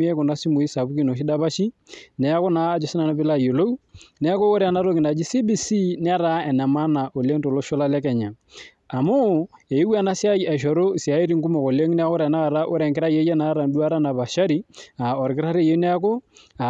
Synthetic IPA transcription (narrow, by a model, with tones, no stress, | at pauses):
i˦e˦ko˨na˦si˦mu˨i˦sa˨bu˦ki˦no˨ʃ̬i˦da˦ba˦ʃi˦nɛ˨a˦ko˦naː˨˦d͡ʒo˨sɪ˦na˨na˦pɪ˦la˦˨jo˨lo˦u˦nɛ˦a˦ko˦o˦ɾe˦˨a˨na˦ɾo˦kɪ˨na˨d͡ʒi˦si˦bi˦si˦n˦a˦ɾa˦ɛ˨nɛ˨ma˦na˨ʔo˨le˦ŋto˨lo˦ʃo˦la˦lɛ˦kɛ˨ɲa˨ | a˨mo˦e˨i˦wa˦na˦si˦a˦ja˨ʃ̬ɔ˨ɾo˦si˨a˨˦i˦ɾi˦ŋku˦mo˨ko˨le˦ŋ˦nɛ˦a˦ko˦ɾa˨na˦a˨ɾa˦ʔo˦ɾɛ˨ŋkɪ˦ɾa˦je˦je˦na˨˦ɾa˨ndu˦a˦ɾa˦na˨ba˨ʃa˦ɾi˦a˨ɔ˨ɾkɪ˦ɾa˦ɾe˦˨je˦nɛ˦a˦ko˦a˨